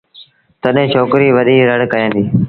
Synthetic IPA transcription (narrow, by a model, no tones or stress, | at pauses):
t̪əɗɦẽːt͡ʃʰoːkɾiːʋəɗ̪iːɾəɽkəjãːnd̪iː